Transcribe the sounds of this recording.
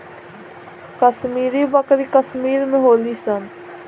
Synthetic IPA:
kəsmiːɾibəkɾikəsmiːɾmẽɦoːlisən

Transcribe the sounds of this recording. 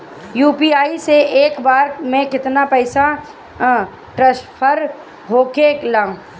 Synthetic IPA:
juːpiːaːiseeːkbaːɾmẽkɪt̪napɛːsa | ʈɾɐʃpʰəɾ | ɦoːkelaːũ

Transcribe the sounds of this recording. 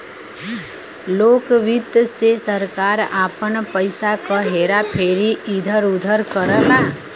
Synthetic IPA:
lokʋit̪sesəɾkaɾapənpəjsakəɦeɾapʰeɾiʔid̪ʱəɾud̪ʱəɾkəɾəlã

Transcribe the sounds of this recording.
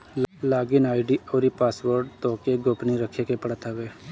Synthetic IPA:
laːɡɪnaːɪɖiɔːɾipaːsʋəɾɖt̪oːkeɡoːpniɾəkʰekepəɽət̪aʋeː

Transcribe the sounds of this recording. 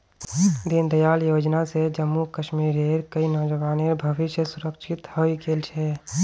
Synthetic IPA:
d̪ind̪əjaːljoːd͡ʒnased͡ʒəmːukəʃmiːɾeːɾkəinɔːd͡ʒəʋaːneɾbʱɐʋɪʃjəsʊɾəkʃʰɪt̪hoikʰeːlt͡ʃʰɛː

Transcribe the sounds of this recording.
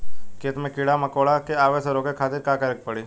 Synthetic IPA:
ket̪mẽkiɽamãkoɭakeaʋeseɾoɡekʰat̪ɪɾkãkəɾək̚pəɽi

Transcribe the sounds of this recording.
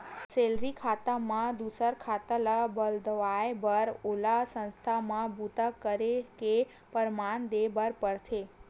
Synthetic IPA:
selɾikʰat̪amãd̪usəɾkʰat̪əlabəld̪əʋajbəɾolasə̃nst̪ʰamãbut̪akəɾeke | pəɾmand̪ebəɾpəɽt̪ʰe

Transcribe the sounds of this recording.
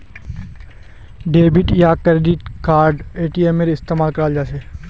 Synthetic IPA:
ɖeːbɪʈjakɾeːɖɪʈkaːɾɖeːʈiemeɾɪst̪eːmaːlkɐɾaːld͡ʒaːseː

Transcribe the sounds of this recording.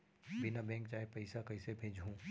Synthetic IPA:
bɪnabɛ̃ːŋkt͡ʃaːɦepɐɪsakɐɪsebʱeːd͡ʒɦũː

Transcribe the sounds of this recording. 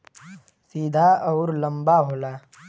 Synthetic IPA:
siːd̪ʱaɔːɾləmbaɦoːlaː

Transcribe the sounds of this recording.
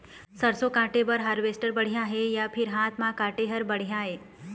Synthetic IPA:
səɾsokãːʈebəɾɦaːɾʋeːsʈəɾbəɽ̤ijãɦejapʰɪɾɦãːt̪ʰmãkãːʈeɦəɾbɐɽ̤ijãɦeː

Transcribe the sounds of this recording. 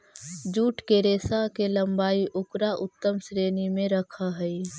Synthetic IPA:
d͡ʒuːʈkeɾeːsakeləmbaːiʔʊkɾaʔʊt̪ːəmsɾeːnimẽɾəkʰaɦəi

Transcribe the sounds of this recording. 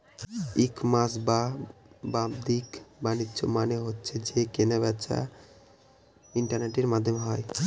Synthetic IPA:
ikmasbababd̪ikbanitːt͡ʃomaneɦotːɕʰed͡ʒekenaβɛt͡ʃʰa̰ | iɳʈaɾneʈeɾmad̪ʱːomeɦɔe

